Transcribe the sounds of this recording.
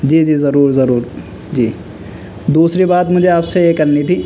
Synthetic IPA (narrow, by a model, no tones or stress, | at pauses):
d͡ʒiːd͡ʒiːzɐɾuːɾzɐɾuːɾ | d͡ʒiː | d̪uːsɾibaːt̪mʊd͡ʒʱeaːpseekɐɾnit̪ʰiː